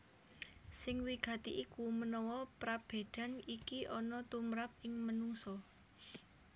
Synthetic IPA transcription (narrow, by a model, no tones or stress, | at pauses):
sɪŋwiɡ̥ä̤t̪iʔikumənɔwɔpɾab̥e̤d̪̥a̤nikiʔɔnɔt̪umɾap̚ɪŋmənuŋsɔ